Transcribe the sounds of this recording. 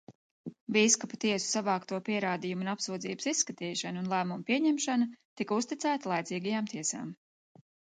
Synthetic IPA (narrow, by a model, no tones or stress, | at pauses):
viːskaput̪iɛsu̥savɑːkt̪uɔpiɛɾaːd̪ijumunapsuɔd̪zḭːbəsisːkɐt̪iːʃanunlˠæːmumpiɛɲɛmʃanɐt̪ikust̪it̪sæːt̪alˠajt̪ziːɡajaːmt̪ʰiɛsa̰ːm